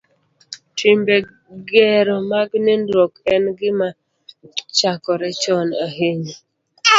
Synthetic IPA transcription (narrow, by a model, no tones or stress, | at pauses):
tʰimbe | ɡɛɾɔmaɡnɪndɔkɛnɡɪma | t͡ʃakɔɾɛt͡ʃɔnaɦeɲi